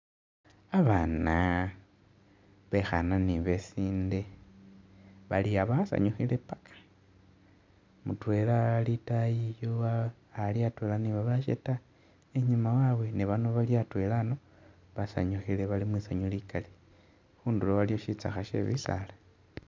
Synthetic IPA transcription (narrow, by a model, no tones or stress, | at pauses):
aβana | βe̞xa̰naniβesiːnde̞ | βaliaβasa̰ɲuxile̞pakʰḁ | mutwe̞lalitajijoaː | liatwe̞laniβaβaʃḛta | eɲumawaβwe̞niβanoβaljatwe̞lano̞ | βasa̰ɲuxileβalimwisaɲulikali | xuːndulowaljo̞ʃit͡sa̰xaʃe̞̰βḭsa̰la